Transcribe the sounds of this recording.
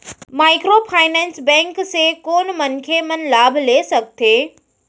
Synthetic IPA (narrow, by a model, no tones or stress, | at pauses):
maːɪkɾoːpʰaːɪnɛ̃ːnsbɛ̃ːŋksekoːnmɐnkʰemɐnlaːbʱleːsɐk̚t̪ʰeː